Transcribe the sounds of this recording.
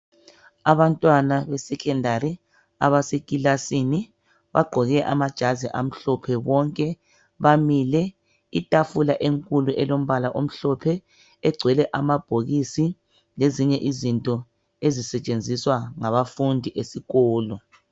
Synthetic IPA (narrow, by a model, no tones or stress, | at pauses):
aβantʼwanaβɛsɛkʰʼɛndʱaɾi | a̰βasekʼilasini | βa̰ɡ͡ǃʱɔɣɛʔamad̥ʒ̥ʱaziʔam̩ɬɔpʰɛβɔŋkʼɛ | βamilɛ | itʼafulaʔeŋkʼuluʔɛlom̩βalaʔom̩ɬɔpʰɛ | ɛɡ͡ǀʱwɛlɛʔamab̥ʱoɣisi | leziɲɛʔizintʼɔ | ezisɛt͡ʃʼend͡zʱiswaŋaβafundʱiʔesiɣɔːlɔ